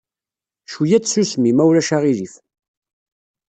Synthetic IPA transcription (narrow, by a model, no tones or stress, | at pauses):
ʃujæt͡sːsusmimæwɾæʃaʁiɾif